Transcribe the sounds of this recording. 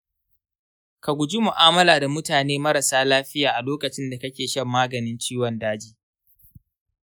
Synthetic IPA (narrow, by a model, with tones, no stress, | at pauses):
ka˨ɡʷʊ˨d͡ʒi˦mʊ˨ʔaː˦mɐ˦laː˨da˨mʊ˦taː˨neː˦mɐ˦ɾɐ˨saː˦laː˦ɸɪ˦jaː˨ʔa˨loː˦kɐ˨t͡ʃɪ˦nda˨kɐ˦kʲeː˨ʃɐ˦mːaː˦ɡɐ˨nɪ˦nt͡ʃiː˦wɔ˨ndaː˦d͡ʒiː˦